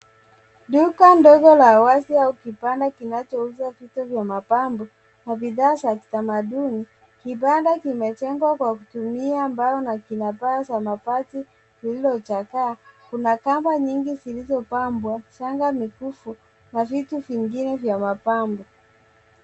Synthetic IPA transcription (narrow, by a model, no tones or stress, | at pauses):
ɗukandɔɡɔlaːwasiaukipandakinat͡ʃɔuzavituvjamapambɔ | naviðaːt͡ʃaki̥tamaɗuni | kipandakimɛt͡ʃɛŋɡwakwakutumiaːmbaɔnakinapaːsamapati | kililɔt͡ʃakaːkunakambaɲiŋɡizilizɔpambwaʃaŋɡamikufu | navituviŋɡinɛvjamapambɔ